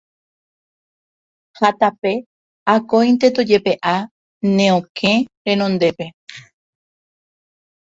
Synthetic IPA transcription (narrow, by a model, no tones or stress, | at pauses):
hat̪ape̞ | akõjnt̪e̞t̪od͡ʒe̞pe̞ʔa | nẽ̞õkʰẽ̞ɾẽ̞nõ̞nd̪e̞pe̞